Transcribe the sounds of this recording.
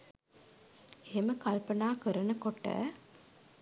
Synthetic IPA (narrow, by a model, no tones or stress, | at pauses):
eːmɐkɐlpɐnaːkɯɾɐnɐkɔʈːɐ̰